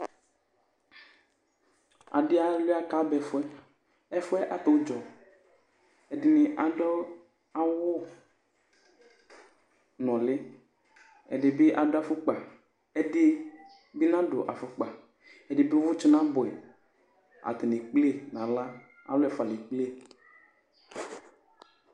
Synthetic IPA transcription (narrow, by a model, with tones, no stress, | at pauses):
a̰˨dɪ˦a˨le˦a˦ka˦bɛ˨fʊ˦ɛ˦ | ɛ˦fʊ˦ɛ˦ʔa˨t̪e˨wo˦d͡ʒɔ˨ | ɛ˨dɪ˨nɪ˨ʔa˨dɔ˦ | a˨wʊ˦ | nɔ̃˨le˦ | ɛ̰˨ɖɪ˨bɪ˦ʔa˨dʊ˦a˨fʊ˦k͡pa˨ | ɛ˨dɪ˦ | bi˦nã˦ɖʊ̰˨ʔa˨fʊ˨k͡pa˨ | ɛ˨dɪ˨bɪ˦wʊ˦t͡ʃɔ˦nã˦bʊ˨ɛ˨ | a̰˨t̪e˨nẽ˨k͡ple˦nã˨la˦ | a̰˨lʊ˦ɛ˨fa˨lɪ˨k͡ple˦